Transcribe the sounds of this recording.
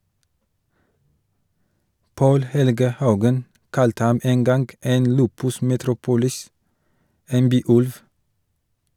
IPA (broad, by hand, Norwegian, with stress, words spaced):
ˈpoːl ˈhɛlɡə ˈhɑʉɡən ˈkɑltə ˈhɑm ˈeːn ˈɡɑnɡ ˈeːn ˈlʉːpʉs mɛˈtɾuːpʊlɪs ˈeːn ˈbyːˌʉlʋ